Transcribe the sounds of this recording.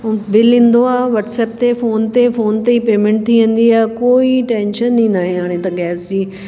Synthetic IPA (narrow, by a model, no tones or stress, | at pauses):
bɪlĩːn̆d̪oaːɦʋɐʈsɛːp̚t̪efoːnt̪efoːnt̪eipeːmẽɳʈ̚t̪ʰiʋɐ̃n̆d̪iaːkoːiʈɛ̃ːnʃənːĩnaːɦẽɦaːɽ̃ẽt̪ɐɡɛːsd͡ʑiː